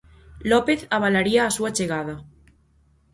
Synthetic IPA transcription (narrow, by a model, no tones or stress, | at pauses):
lɔpeθaβ̞alaɾiaːsuat͡ʃeɣ̞að̞a